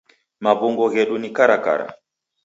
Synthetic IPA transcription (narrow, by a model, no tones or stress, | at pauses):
maβuŋɡɔɣɛɗunikaɾaka̰ɾa̰